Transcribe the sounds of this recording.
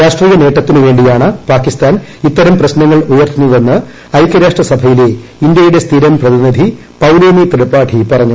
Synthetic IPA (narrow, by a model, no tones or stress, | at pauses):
ɾaːʂʈriːjɐne̞ːʈːɐt̪ːinuʋe̞ːɳɖijaːɳɨpaːkːist̪aːnit̪ːɐɾɐmprɐɕnɐŋːɐɭujɐrt̪ːunːɐðe̞nːɨ | ɐjkːɐɾaːʂʈrɐsɐbʱɐjile̞ind̪jɐjuɽe̞st̪ʰiːɾɐmprɐðinid̪ʱi | pɐwloːmit̪iɽɐpːaːʈʰipɐrɐɲːu